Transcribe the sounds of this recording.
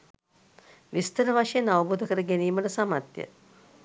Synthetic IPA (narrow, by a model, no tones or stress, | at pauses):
ʋist̪əɾəʋaʂejenaʋəbud̪ʱəkəɾəɡeniːməʈəsamat̪jə̰